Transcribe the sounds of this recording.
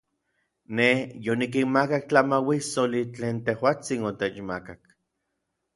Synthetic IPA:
nehjonik̬inmakak̚t͡ɬamawisolit͡ɬeːnt̪ehwaːt͡sinot̪et͡ʃmakak

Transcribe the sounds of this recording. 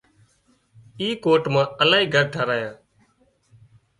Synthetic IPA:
iːkoːʈmãːəlaːɦiːɡʱəɾɖʰʱaɾaːjãː

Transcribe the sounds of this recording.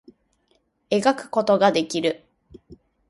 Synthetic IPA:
e̞ɡakɯ̟̥ko̞t̪o̞ɡad̪e̞kʲiɾɯ̟

